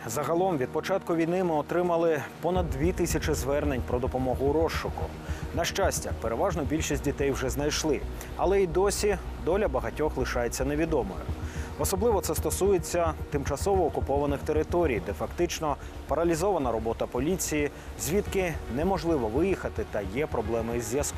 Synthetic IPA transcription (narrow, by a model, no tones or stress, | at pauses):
zɐɦɐlˠɔmʋʲid̪̚pɔt͡ʃɑt̪kʊʋʲijnɪmɪɔt̪ɾɪmɐlˠɪpɔnɐd̪ːʋʲit̪ɪsʲɐt͡ʃɪzʋɛrne̞nʲpɾɔd̪ɔpɔmɔɦʊɾɔʃːʊkʊ̰ | nɐʃt͡ʃasʲtʲɐpeɾeʋɑʒnɔbʲilʲʃisʲtʲdʲit̪ɛjwʒɛznɐjʃlˠɪ | ɐlˠɛid̪ɔsʲid̪ɔlʲɐbɐɦɐtʲɔxlˠɪʃɑje̞t͡sʲːɐne̞ʋʲid̪ɔmɔ̰jʊ̰ɔsɔblˠɪʋɔt̪sɛst̪ɔsujet͡sʲːɐt̪ɪmt͡ʃɐsɔʋɔːkʊpɔʋɐnɪxt̪e̞ɾɪt̪ɔɾʲijd̪ɛfɐkt̪ɪt͡ʃnɔ | pɐɾɐlʲizɔʋɐnɐɾɔbɔt̪ɐpɔlʲit͡sʲiji | zʲʋʲit̪kɪnɛmɔʒlˠɪʋɔʋɪjixɐt̪ɪt̪ɐjɛpɾɔblˠɛmɪzʲjɐsk